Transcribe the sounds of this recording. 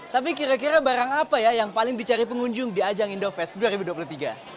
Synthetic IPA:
t̪ap̬ikiɾak̬iɾabaɾaŋapajajaŋpalɪŋdit͡ʃaɾipəŋuɲd͡ʒʊŋdiad͡ʒaŋindofɛsduaɾibuduap̬uluht̪iɡa

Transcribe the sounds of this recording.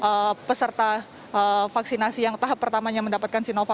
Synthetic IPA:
ʔəpəsərt̪a | əfaksinasijaŋt̪aɦapːərt̪amaɲaməndapat̪̚kansinofa

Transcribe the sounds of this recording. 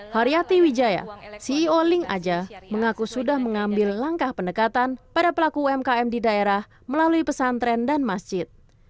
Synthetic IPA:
haɾiat̪iwid͡ʒaja̰siːolɪŋa̰d͡ʒaməŋakusudahməŋambɪlːaŋkahpəndəkat̪anpadapəlakuɛmkaɛmdidaeɾah | məlaluipəsant̪ɾɛndanmasd͡ʒɪt̪̚

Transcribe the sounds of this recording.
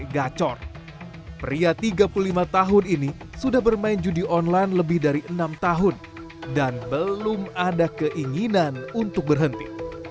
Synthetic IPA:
ɡat͡ʃɔr | pəɾiat̪iɡapululimat̪aɦʊnini | sudahbərmaɪnd͡ʒudiʔɔnlanləbɪhdaɾiʔənamt̪aɦʊn | danbəlʊmadakəʔiŋinanunt̪ʊk̚bərɦənt̪ḭ

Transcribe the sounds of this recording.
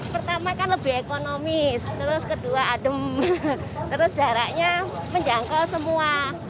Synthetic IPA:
pərt̪amakanləbɪhekonomɪst̪əɾʊskəduaːdəm | t̪əɾʊsd̥a̤ɾaʔɲa | məɲd͡ʒaŋkɔsəmua

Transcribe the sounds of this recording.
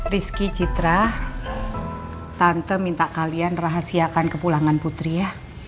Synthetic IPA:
riskit͡ʃit̪ɾah | t̪ant̪əmint̪aʔkalianraɦasiakankəpulaŋanput̪ɾijah

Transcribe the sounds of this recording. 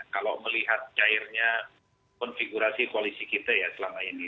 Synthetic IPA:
kalo̰məliɦat̪̚t͡ʃaɪrɲa | kɔnfiɡuɾasikualisikit̪ajasəlamaini

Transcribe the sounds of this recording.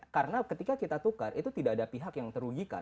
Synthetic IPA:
kaɾənakət̪ikakit̪at̪ukarʔit̪ut̪idaːdapiɦakjaŋt̪əɾuɡika̰

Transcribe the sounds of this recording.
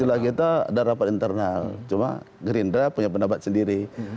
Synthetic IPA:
ilahkit̪aa̰daɾapat̪int̪ərnalt͡ʃuma̰ | ɡɾindapuɲap̬ənabat̪̚səndiɾi

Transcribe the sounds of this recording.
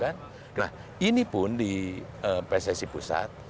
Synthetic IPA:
kan | kna̰h | inipʊndiəpɛsɛsipusa̰t̪̚

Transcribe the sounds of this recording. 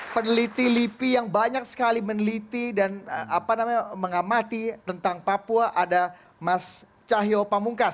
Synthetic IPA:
pənəlit̪ilipijaŋbaɲak̚sə̥kalimənəlit̪idanapanamaɲaməŋamat̪it̪ənt̪aŋpapuaʔada | mas | t͡ʃaɦiopamuŋkas

